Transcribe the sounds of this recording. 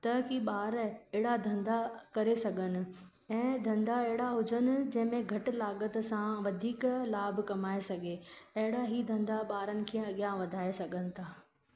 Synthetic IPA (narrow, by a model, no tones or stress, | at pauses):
t̪ɐkiɓaːɾɛɦɪɽad̪ʱɐ̃nd̪akɐɾesɐɡʱənɪ̆ | ɛ̃ːd̪ʱɐ̃nd̪aɐɦɪɽaɦʊd͡ʑənɪ̆d͡ʑɐ̃ɦɪ̃mẽɡʱɐʈɪ̆laːɠət̪sãʋɐd̪ʱiːklaːbʱkɐmaːesɐɡʱeɐɦɪɽaɦid̪ʱɐ̃nd̪aɓaːɾənɪ̆kʰẽːɐɠjãʋɐd̪ʱaːesɐɡʱənɪ̆t̪ʰaː